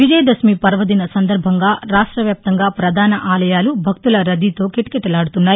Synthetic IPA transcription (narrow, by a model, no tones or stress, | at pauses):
ʋid͡ʒɐjɐd̪ɐsmipɐɾʋɐd̪inɐsɐnd̪ɐɾbʱɐŋɡaːɾaːʂʈɾɐʋjaːp̚t̪ɐŋɡaːpɾɐd̪ʱaːnɐʔaːlɐjaːlubʱɐk̚t̪ulɐɾɐd̪it̪o̞ːkeʈi̥keʈːɐlaːɽut̪unːaːji